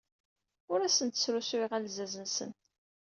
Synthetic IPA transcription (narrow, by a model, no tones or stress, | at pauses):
ʊɾæsənt̪ə̥sɾuswiʁælzæzənsə̰n